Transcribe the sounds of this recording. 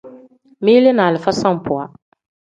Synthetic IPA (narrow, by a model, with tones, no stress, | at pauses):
miː˦lɪ˦naː˨lɪ˨fa˦sa˦m˨pʊ˨a˨